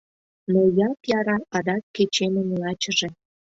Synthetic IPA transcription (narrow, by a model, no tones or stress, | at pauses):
nojɑk̪jɑɾɑɑd̪ɑkːet͡ɕenə̆mlɑt͡ɕə̆ʒĕ